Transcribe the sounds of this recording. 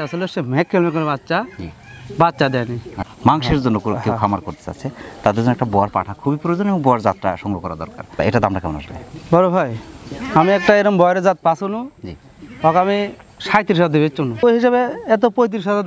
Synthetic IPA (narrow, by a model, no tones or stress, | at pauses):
asolosemɛkʰːelmekɔɾebatːʃai | batːʃad̪ɛnimaŋʃeɾd͡ʑonːokukewkʰamaɾkoɾt̪e̥t͡ɕa̰t͡ɕʰet̪ad̪eɾzonːɔɛkʈabɔaɾpa̰ʈʰakʰubipuɾod͡ʑonebɔŋbɔaɾd͡zat̪ːɾa̰ʃɔŋɡɾokɔɾa̰d̪ɔ̰ɾka̰ɾ̰eʈad̪amʈakamɔna̰ʃlḛbʱɔɾobʱajamiɛk̚ʈaeɾombɔjɾed͡zat̪̚pasunud͡ʑḭ | ɔkamiʃajt̪iɾiʃ̬at̪d̪ebet͡ɕːt͡ʃːunuoɦiʃabeɛt̪̬opojt̪̬iɾiʃat̪